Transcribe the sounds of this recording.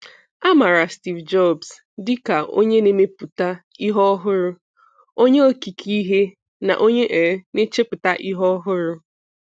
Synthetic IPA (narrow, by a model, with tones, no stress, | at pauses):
a˦ma˨ɾa˨sti˨vd͡ʒɔ˦˨bs | dɪ˦ka˨ʔo̰˦ɲe˦ne˦me˦pu˨ta˦ | i˦ɦɔ˦ɦʊ˦ɾʊ˦ | o˦ɲe˦o˦ki˨kʰi˦ɦe˦ | na̰˨ʔo˦ɲe˦ʔe˨˦ne˦t͡ʃe˦pʊ˨ta˦ʔi˦ɦɔ˦ɦʊ˦ɾʊ˦